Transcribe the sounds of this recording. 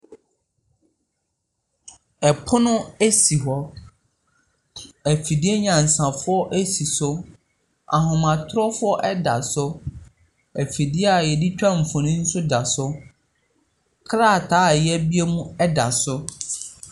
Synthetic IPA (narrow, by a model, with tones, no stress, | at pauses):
ɛ˨pʰʊ˦nʊ̃˦æ˦si˨ɦɔ˦ | æ˨fi˨dɪ˦e˦ɲã˨n̩˨sã˨fʊ˦ɔ˦ʔæ˦si˨sʊ˦ | a̰˨ɦʊ̃˨mã˨tʰɾɔ˦fʊ˦ɔ˦ʔɛ˦da̰˨sʊ˦ | æ˨fi˨dɪ˦ɛ˦a˨jɛ˨di˦t͡ɕᶣã˦m̩˨fɔ̃˨nĩ˦n̩˦sʊ˦da˨sʊ˦ | kʰɾa˦˨tʰaː˨˦˨jɛ˦bi˦e˦mũ˦ɛ˦da˨sʊ˦